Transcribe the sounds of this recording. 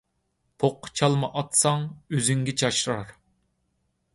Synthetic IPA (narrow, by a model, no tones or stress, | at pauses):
pʰoqʰːt͡ʃʰɑlˠmɑʔɑt̪sɑŋøzyŋɡʲɛt͡ʃʰɑʃɾɑɾ